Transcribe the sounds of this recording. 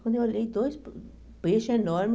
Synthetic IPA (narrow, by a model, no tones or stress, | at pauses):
kõnd̪ewled̪ojsp | peʃenɔɾm